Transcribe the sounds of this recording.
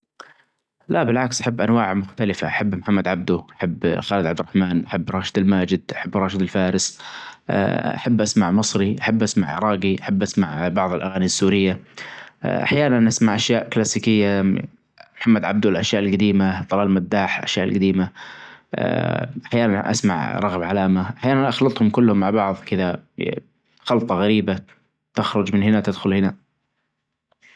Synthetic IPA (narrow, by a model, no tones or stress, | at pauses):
labɪlʕaksʔaħabːʔanwaːʕmʊxt̪alɪfa̰ʔaħabːmħamːad̪ʕab̚d̪uʔaħabːxaːlɪd̪ʕabd̪ɪɾˤɑħmaːnʔaħabːɾˤɑːʃɪ̥d̪almaːd͡ʒɪd̪ʔaħabːɾˤɑːʃɪd̪ɪlfaːɾɪsʔʔa̰ħabːʔasmaʕmɨsˤɾiʔaħabːʔasmaʕʔɾˤɑːɡiʔaħabːʔasmaʕbɑʕðˤɪlʔaɣaːnisːuːɾɪjːa | ʔa̰ħjaːnanʔasmaʕʔaʃjaːʔklaːsiːkɪjːa | mħamːad̪ʕa̰b̚d̪ulʔaʃjaːʔɪlɡad̪iːmaðˤɑlaːlmad̪ːaːħlʔa̰ʃjaːʔlɡad̪iːma̰ | ʔaħjaːnanʔa̰sma̰ʕɾˤɑɣbʕalaːmaʔaħjaːnanʔɑxlɑt̪ˤhʊmkʊlːhʊmːaʕbɑʕðˤkɪða | xɑlt̪ˤɑɣaɾiːba | t̪ɪxɾˤʊd͡ʒmɪnhɪnat̪ɪd̪xʊlhɪna